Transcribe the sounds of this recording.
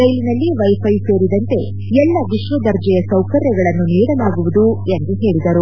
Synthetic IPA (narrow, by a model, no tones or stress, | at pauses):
ɾɐjlinɐlːiʋɐjpʰɐjse̞ːɾid̪ɐnt̪e̞ | ɛlːɐʋiʃʋɐd̪ɐɾd͡ʒɛjɐsɐwkɐɾjɐɡɐɭɐnːuniːɽɐlaːɡuʋud̪ue̞nd̪uɦe̞ːɭid̪ɐɾu